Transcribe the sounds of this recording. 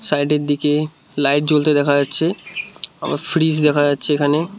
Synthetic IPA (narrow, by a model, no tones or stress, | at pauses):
sajɖeɾd̪ike | lajʈ̚d͡ʑolt̪ed̪ɛkʰad͡ʑatːɕʰe | a̰mʔa̰ɾfɾis̬d̪ɛkʰad͡ʑatːɕʰeekʰane